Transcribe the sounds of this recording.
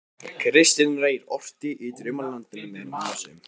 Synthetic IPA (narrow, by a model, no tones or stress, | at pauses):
kʰɾɪst̪ɪnreːjɾɔft̪ɪʔit̪ɾʏmːaɾlant̪ɪnmɛðɾmaasʏm